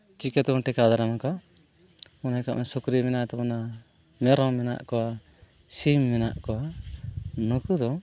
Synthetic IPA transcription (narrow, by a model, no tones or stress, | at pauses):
t͡ʃikɛt̪ɔŋʈɛkad̪aɾamaka | ɔnajka̰ʔmɛsɔkɾimɛnaʔt̪ɛpɔna | mɛɾɔmɛna̰ʔkɔwa | simːɛna̰ʔkɔwa | nɔkud̪ɔ